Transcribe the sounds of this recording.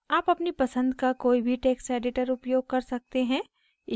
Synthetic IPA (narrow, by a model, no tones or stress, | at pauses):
aːpɐpnipɐsə̃nd̪kakoːibʱiʈeːksɛːɖɪʈəɾʊpjoːɡ̚kɐɾsɐk̚t̪eɦɛ̃ː